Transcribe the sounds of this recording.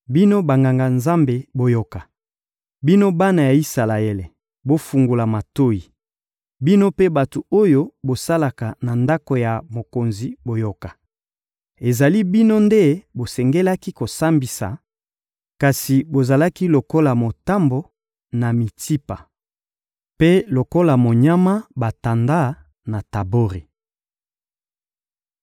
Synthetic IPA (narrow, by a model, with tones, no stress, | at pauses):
bi˦no˦ba˨ŋɡa˨ŋɡa˨nza˦mbe˨bo˨jo˨ka˨ | bi˦no˦ba˦na˨ja˨i˦sa˨la˨e˦le˨ | bo˦fu˨ŋɡu˨la˨ma˨to˦i˨ | bi˦no˦pe˦ba˨tu˨o˦jo˦bo˨sa˦la˨ka˨na˨nda˦ko˨ja˨mo˨ko˨nzi˨bo˨jo˨ka˨ | e˨za˨li˦bi˦no˦nde˦bo˨sɛ˨ŋɡe˦la˦ki˦ko˨sa˦mbi˨sa̰˨ | ka˨si˨bo˨za˨la˦ki˦lo˨ko˦la˨mo˨ta˦mbo˨ | na˨mi˨ti˦pa˨ | pe˦lo˨ko˦la˨mo˨ɲa˦ma˦ba˨ta˨nda˦ | na˨ta˨bo˦ʁi˨